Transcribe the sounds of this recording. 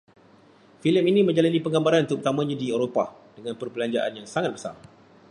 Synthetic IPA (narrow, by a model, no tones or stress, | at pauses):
filəminĩmə̃ɲd͡ʒalanĩpəŋɡambaɾanunuk̚ut̪amãɲãdieɾopa̰dəŋãnpərbəlaɲd͡ʒaʔa̰njaŋsaŋat̪̚bəsa̰r